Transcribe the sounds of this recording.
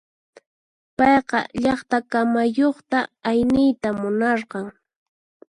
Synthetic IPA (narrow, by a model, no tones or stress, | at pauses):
pɑjqɑ̰ʎɑχt̪akamajoχt̪aajnɪjt̪amʊnɑɾqɑŋ